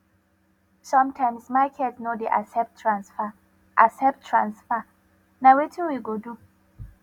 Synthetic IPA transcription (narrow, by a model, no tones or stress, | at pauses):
sɔ̃mtʰãɪ̃msmaɪkʰɛdsnodeʔa̰sɛp̚tʰːɹãnsfa | ʔasɛp̚tʰːɹãnsfa | nawetʰĩnwiɡodu